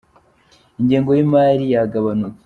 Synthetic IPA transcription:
iɲɟeːŋɡo̞jimaːɾijaɡaβanuke̥

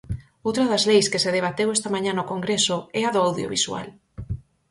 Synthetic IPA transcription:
owt̪ɾɐðɐzlejskeseðeβ̞at̪ewɛst̪ɐmãɲãnokoŋɡɾesoɛaðoawðjo̰βiswa̰l

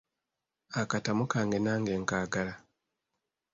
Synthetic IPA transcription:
akatamukaːŋɡenaːŋɡeːŋkaːɡala

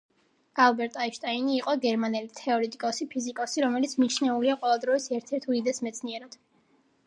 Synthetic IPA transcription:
alˠbɛɾt̪ʼaiʃt̪ʼainiːqʼɔɡɛɾmanɛlit̪ʰɛɔɾɛt̪ʼikʼɔsipʰizikʼɔsiɾɔmɛlit̪sʰmit͡ʃʰnɛuliaqʼɔvɛlˠd̪ɾɔisɛɾt̪ʰɛɾt̪ʰuid̪ɛsmɛt̪sʰniɛɾad̪̥

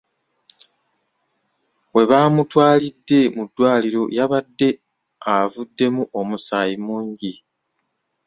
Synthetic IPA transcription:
we̞βaːmutwaːlidːe̞mudːwaːliɾo̞̰jaβadːe̞ | avudːe̞muʔo̞musaːjimuːɲɟi

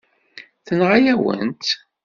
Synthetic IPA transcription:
θənʁajæwə̰nt̪

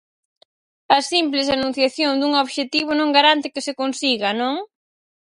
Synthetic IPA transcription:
ɐsimplɪsanũn̟θjaθjoŋd̪uŋoβʃet̪iβ̞ʊnõŋɡaɾant̪ɪkɪsɪkonsiɣɐnõŋ

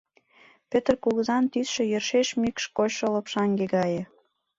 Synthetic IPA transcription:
pøt̪rkuɣəzɑnt̪ysʃĕjərʃeʃmikʃkoɕʃŏlɤ̆pʃɑŋɡeɣɑjĕ

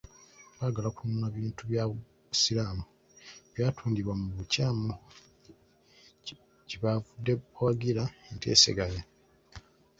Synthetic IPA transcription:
βaːɡalakununaβiːntuβja | silaːmu | βjaːtʰuːndiβwamuβucaːmu | ceβavudːewaɡiɾaentḛːsḛɡaja

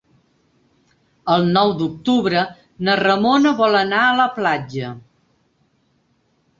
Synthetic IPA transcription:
əlˠnɔwd̪uk̚t̪uβɾə | nərəmonəβɔlənaələplad͡ʒə

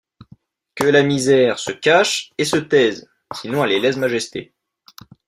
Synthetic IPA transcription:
kʲəlamizɛʁsəkaʃesət̪ɛz | sinɔ̃ɛlelɛsmaʒɛst̪ḛ

